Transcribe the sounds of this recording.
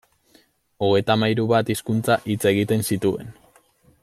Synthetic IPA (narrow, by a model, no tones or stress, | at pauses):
o̞ɣ̞e̞jt̪amajɾuβat̪iskunt͡saʔit͡se̞ɣ̞it̪e̞nsit̪ue̞̰n